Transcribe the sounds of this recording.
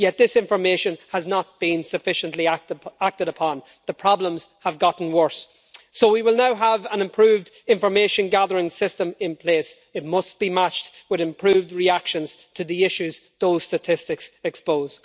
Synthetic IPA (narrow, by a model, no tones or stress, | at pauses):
jɛt̪̚ðɪsɪ̃ɱfə˞meʃə̃nəznət̚b̥ĩnsɨfɪʃə̃nʔliatak̚tɨɾəpʰɑ̃n | ðəpʰɹ̥ɑblə̃mz̥həvɡɑʔn̩wɜ˞sː | oʊwiwɪlˠnaʊəvə̃nɨ̃mpʰɹ̥ʉːvd | ɪ̃ɱfə˞meʃə̃nɡaðə˞ɪ̃ŋsɪstə̃mɪ̃npʰl̥eːs | ɨt̚mʌstb̥imat͡ʃtwɪðɨ̃mpʰɹ̥ʉːvdɹiakʃə̃nz̥tʰəðiɪʃʉzðoʊz̥stətʰɪstɪksɛkspoʊz